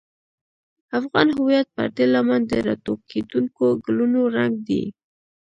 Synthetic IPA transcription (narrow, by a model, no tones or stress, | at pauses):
afɣɑnɦʊwijat̪̚pə̰ɾd̪elamand̪əɾɑ̰t̪okʰed̪uŋkoɡlunoɾaŋɡd̪ḭ